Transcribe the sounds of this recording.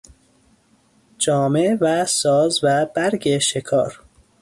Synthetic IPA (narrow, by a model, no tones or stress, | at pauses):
d͡ʒɒːmevæsɒːzvæb̥æɾɡeʃekʰɒ̰ːɾ